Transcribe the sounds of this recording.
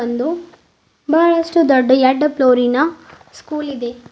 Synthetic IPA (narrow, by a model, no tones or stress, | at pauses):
ɐnd̪u | baːɭɐʂʈud̪ɔɖːɐjɐɖːɐploːɾinɐ | skuːlid̪e̞